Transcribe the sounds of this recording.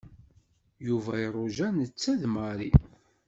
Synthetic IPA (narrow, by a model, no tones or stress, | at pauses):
juvæirˤoʒænət͡sːæðməɾi